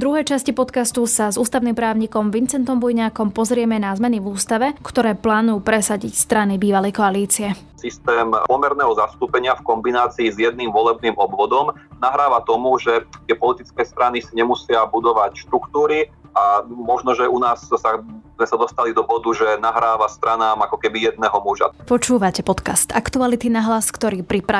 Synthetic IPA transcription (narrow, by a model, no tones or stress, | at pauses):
d̪ɾuɦɛjt͡ʃascipɔt̪kast̪usazuːst̪aʊnimpɾaːʊɲiːkɔmʋint͡sɛnt̪ɔmbɔjɲaːkɔmpɔzɾɪɛmɛnazmɛnivuːst̪aʋɛkt̪ɔɾɛːplaːnujupɾɛsaɟicst̪ɾanibiːʋalɛjkɔaliːt͡siɛ | sist̪ɛːmpɔmɛɾnɛːɦɔzast̪uːpɛɲɪafkɔmbinaːt͡siːzjɛd̪̚nimʋɔlɛb̚nimɔbʋɔd̪ɔmnaɦɾaːʋat̪ɔmuʒɛt̪ɪɛpɔlit̪it͡skɛːst̪ɾanisiɲɛmusɪabud̪ɔʋacʃt̪ɾukt̪uːɾiʔamɔʒnɔʒɛʔunaːssazmɛsad̪ɔst̪alid̪ɔbɔd̪uʒɛnaɦɾaːʋast̪ɾanaːmakɔkɛbijɛd̪̚nɛɦɔmuʒa̰pɔt͡ʃuːʋacɛpɔt̪kast̪akt̪ualit̪inaɦlaskt̪ɔɾiːpɾipɾa